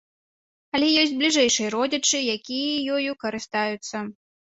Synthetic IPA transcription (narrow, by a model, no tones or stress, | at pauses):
ɐlʲɛjɔsʲd͡zʲblʲiʐɛjʂɨjɐɾɔd͡zʲɐt͡ʂɨjakʲijɐjɔjukɐɾɨst̪ajut̪sːɐ